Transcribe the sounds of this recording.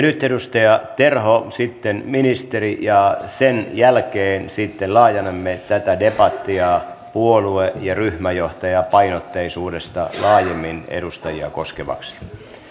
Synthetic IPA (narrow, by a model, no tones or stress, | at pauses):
nyt̪edust̪ɑjɑt̪erɦosit̪ːenminist̪erijɑsenjælkeːnsit̪ːellɑːjɑnemːet̪æt̪ædepɑt̪ːiɑpuoluejɑryhmæjoht̪ɑjɑpɑinot̪ːeisuːdest̪ɑ̰lɑːjemːinḛdust̪ɑjiɑ̰koskeʋɑ̰ksi̥